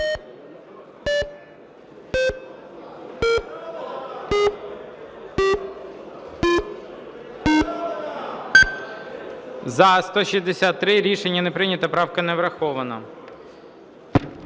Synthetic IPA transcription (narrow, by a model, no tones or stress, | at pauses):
zɐst̪ɔʃizd̪esʲat̪ːɾɪɾʲiʃenʲːɐnepɾɪnʲɐt̪ɐpɾɑwkɐnɛʋɾɐxɔʋɐnɐ